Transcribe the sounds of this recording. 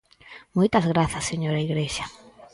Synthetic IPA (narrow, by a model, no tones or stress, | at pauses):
mojt̪ɐzɣɾaθɐsːeɲoɾaiɣɾeʃa